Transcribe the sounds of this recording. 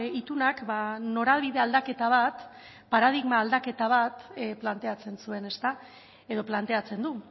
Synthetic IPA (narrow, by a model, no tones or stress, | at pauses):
it̪unakbano̞ɾalβiðe̞ald̪ake̞t̪aβ̞at̪ | paɾað̞iɣmaːld̪ake̞t̪aβ̞at̪plant̪e̞at͡se̞nsue̞ne̞st̪a | e̞ðo̞plant̪eat͡se̞nd̪u